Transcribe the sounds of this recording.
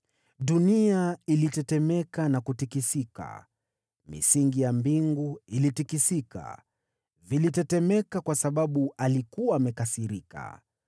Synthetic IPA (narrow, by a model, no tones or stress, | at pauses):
ɗuniailitɛtɛmɛkanakutikisika̰ | mḭsiŋɡijambiŋɡuilitikisika̰ | vilitɛtɛmɛkakwasaɓaɓualikuwaːmɛkasiɾika̰